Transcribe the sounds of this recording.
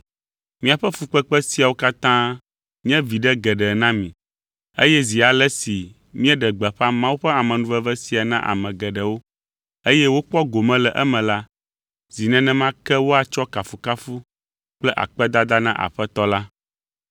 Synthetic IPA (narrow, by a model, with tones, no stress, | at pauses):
mĩ˦a˨ɸɛ˦fu˨k͡pɛ˦k͡pɛ˦si˦a˨wo˦ka˦t̪ã˦ | mĩ˦ɛ̃˦vi˨ɖɛ˦ɡɛ˨ɖɛ˨nã˦mĩ˨ | ḛ˦jɛ˦zi˨a˨lɛ˦si˨ | mĩ˦ɛ̃˦ɖɛ˨ɡ͡bɛ˨ɸa˦mã˦wu˦ɸɛ˦a˨mɛ̃˨nũ˨˦vɛ˦vɛ˦si˨a˨nã˦ʔa̰˨mɛ̃˨ɡɛ˨ɖɛ˨wo˦ | e˦jɛ˦wo˦k͡pɔ˦ɡo˨mɛ̃˦lɛ˨ʔɛ˦mɛ̃˨la˦ | z̥i˨nɛ̃˨nɛ̃˦mã˦kɛ˦wo˦a˨t͡ʃɔ˦ka˨fu˨ka˦fu˦ | k͡plɛ˦ʔa̰˨k͡pɛ˦d̪a˦d̪a˦nã˦ʔa̰˨ɸɛ˦t̪ɔ˦la˦